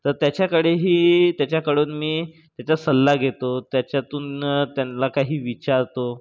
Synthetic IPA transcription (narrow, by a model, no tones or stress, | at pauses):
t̪əɾt̪jat͡ɕjakəɽeɦiːt̪jat͡ɕjakəɽoːnmiː | t̪jat͡ɕjasəlːaɡʱet̪ot̪jat͡ɕjat̪uːnt̪janlakaɦiːʋit͡ɕaɾt̪o